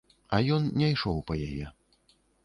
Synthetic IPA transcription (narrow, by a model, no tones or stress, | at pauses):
ɐjɔnnʲɛjʂɔwpɐjajɛ